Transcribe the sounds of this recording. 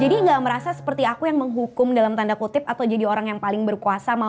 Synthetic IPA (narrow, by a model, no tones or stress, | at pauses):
d͡ʒadiŋɡaməɾasasə̥pərt̪iakujaŋməŋɦukʊmdalamt̪andakut̪ɪp̚at̪awd͡ʒadioɾaŋjaŋpalɪŋbərkuasama